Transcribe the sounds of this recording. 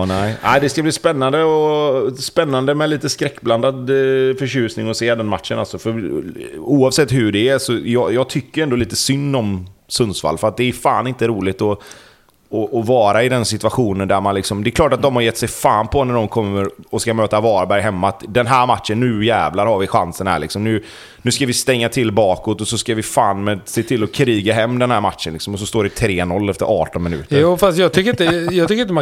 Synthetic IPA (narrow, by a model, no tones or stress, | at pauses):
næɪʔæɪd̪ɛskabliːspɛnːand̪əɔspɛnːand̪əmɛliːt̪əskɾɛkːbland̪ad̪fœɕʉ̟ːsnɪŋɔseːd̪ɛnmat̪ʂəna̰lsɔfœɾ | uːɑvsɛt̪ːhʉɖɛːsɔjɑːjɑːɡ̚t̪ʰʏkːəɛnd̪ɔliːt̪əsʏnːɔmsɵnsfa̰lːfœɾat̪̚d̪ɛːʉfa̰ːnɪnt̪əɾuːlɪt̪ɔ | ɔʔɔvɑːɾaɪd̪ɛnsɪt̪ʉaɧuːnənd̪æɾmanlɪksɔmd̪ɛkʰlɑːʈat̪̚d̪ɔmhaɾjɛt̪ːsɛjfaːnpʰɔnæɖɔmkʰɔmːəɾɔskamøːt̪avɑːɾbæɾjɦɛmːat̪d̪ɛnɦæːɾmat̪ʂənːʉ̟ːjɛːvlaɾhaɾvɪɧansənhæ̰ːɭɪksɔmnʉ̟ː | nʉ̟ːskavɪst̪ɛŋːat̪ʰɪlbɑːkɔt̪ːɔsɔskavɪfaːnmɛd̪seːt̪ʰɪlːɔkʰɾiːɡaɦɛmːd̪ɛnhæːɾmat̪ʂənlɪksɔmɔs̬ɔst̪oːɖɛɪt̪ʰɾeːnɔlːɛft̪əɾʔɑːʈɔnmɪnʉ̟ːt̪əjɾuːfast̪jɑɡt̪ʰʏkːəɾɪnt̪əjɑːɡt̪ʏkəɾɪn̬əma